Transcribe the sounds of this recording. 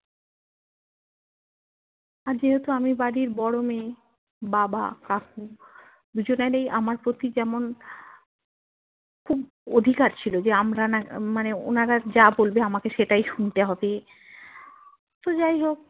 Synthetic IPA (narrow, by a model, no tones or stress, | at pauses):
aɾd͡ʑeɦet̪uamibaɽiɾbɔɽome | baba̰kaku | d̪ud͡ʑonaɾejʔamaɾpɾot̪id͡ʑɛmon | kʰub | od̪ʱikaɾt͡ɕʰilod͡ʑeamɾanamaneo̰naɾad͡ʑabolbeamakeʃeʈajʃunt̪eɦɔbe | t̪od͡ʑajɦok̚